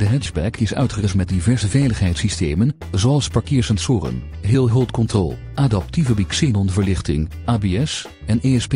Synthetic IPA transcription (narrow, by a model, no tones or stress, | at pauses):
d̥əɦɛd͡ʒbɛkʰɪsœ̰ɥtχərɪstmɛt̚divɛɹzəvɛjləχɦɛjtsistejmən | zoɑlˠspɑɹkɪːɹsɛnsʊːrə̰n | ɦɪːlˠɦɵlˠtkɔntrɔ̰lˠ | ʔaːdɑp̚tivəbiksɪnɔnəvəɹlɪχtɪ̰ŋ | ʔaːbeːɛs | ɛneɛsp